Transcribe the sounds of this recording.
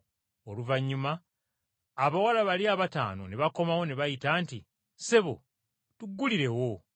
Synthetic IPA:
oluvaɲːumaː | βawalaβaliaβata̰ːno̞neβako̞mawo̞neβajitaːntḭ | se̞βo̞̰ | tuɡːuliɾe̞wo̞

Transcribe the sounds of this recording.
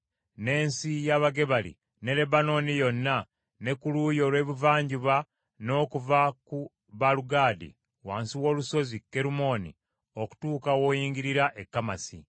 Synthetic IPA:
ne̞ːnsijaβaɡe̞βalḭ | ne̞le̞bano̞nijo̞nːa | ne̞kuluːjo̞lwe̞ːβuvaːɲɟiβa | no̞ːkuvaku | βaluɡaːdḭ | waːnsiwo̞ːluso̞zikːe̞ɾumo̞nḭ | o̞ku̥tuːkawo̞ːjiːŋɡiɾiɾaʔekːama̰si

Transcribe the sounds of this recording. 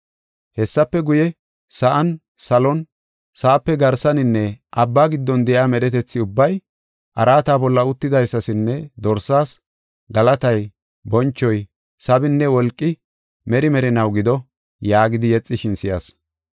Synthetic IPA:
hɛsːɐpːɛɡʊjɛ | sɐʔɐn | sɐlɔn | sɐʔɐpːɛɡɐɾsɐnɪnːɛʔɐbːaːɡɪd̪ːɔnd̪ɛjaːmɛɗɛt̪ɛt͡sːɪʊbːɐj | ʔɐɾaːt̪aːbɔlːɐʊt̪ːɪd̪ɐjsːɐsɪnːɛd̪ɔɾsːaːs | ɡɐlɐt̪ɐj | bɔnt͡ʃːɔj | sɐbɪnːɛwɔlkʼːɪ | mɛɾɪmɛɾɪnɐwɡɪd̪ɔ | jaːɡɪd̪ɪjɛt͡sʼːɪʃɪnsɪjas

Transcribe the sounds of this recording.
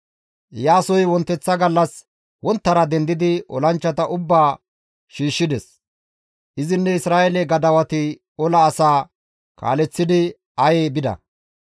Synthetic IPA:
jaːsɔjwɔnt̪ːɛt͡sːɐɡɐlːɐs | wɔnt̪ːɐɾɐd̪ɛnd̪ɪd̪ɪʔɔ̰lɐnt͡ʃːɐt̪ɐʔʊbːaː | ʃiːʃːɪd̪ɛs | ʔɪzɪnːɛɪsɾaːʔɛlɛɡɐd̪ɐwɐt̪ɪ | ɔlɐːsaː | ka̰ːlɛt͡sːɪd̪ɪ | ɐjeːbɪd̪ɐ̰

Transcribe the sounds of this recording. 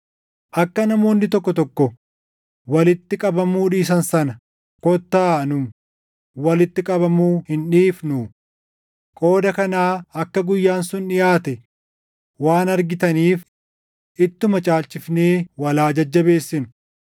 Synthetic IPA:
ʔɐkːɐnɐmo̞ːnːɪt̪ɔkːɔt̪ɔkːɔ | wɐlɪt̪ːɪkʼɐbɐmuːᶑiːs̬ɐnsɐnɐ | kɔt̪ːaːnʊm | wɐlɪt̪ːɪkʼɐbɐmuːhɪnᶑiːfnuː | kʼo̞ːd̪ɐkɐnaːɐkːɐɡʊjːaːnsʊnᶑɪjaːt̪ɛ | waːnɐɾɡɪt̪ɐniːf | ʔɪt̪ːʊmɐt͡ʃʼaːlt͡ʃʼɪfne̞ːwɐlaːd͡ʒɐd͡ʒːɐbe̞ːsːɪnʊ̥

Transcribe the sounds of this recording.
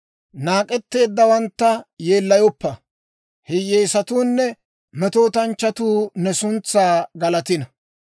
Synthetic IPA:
naːkʼɛt̪ːe̞ːd̪ːɐwɐnt̪ːɐjeːlːɐjɔpːɐ | hɛjeːsɐt̪uːnːɛ | mɛt̪oːt̪ɐnt͡ʃːɐt̪uːnɛsʊnt͡sːaːɡɐlɐt̪ɪnɐ

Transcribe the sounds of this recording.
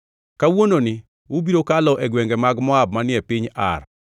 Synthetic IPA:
kawononɪ | ubiɾokalɔʔɛɡwɛŋɡɛmaɡmɔab̚manɪɛpɪɲa̰r

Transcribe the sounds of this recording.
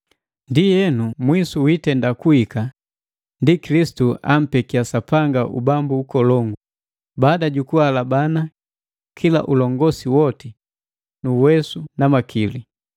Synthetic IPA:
ndijɛnumwisuwitɛndakuika | ndikilisi̥tua̰m̩pɛkiasapaŋɡaʔṵbambuːkɔlɔŋɡu | baːdaɟukualabana | kʰila̰ʔulɔŋɡɔsiwɔti | nuwɛsunamakʰili

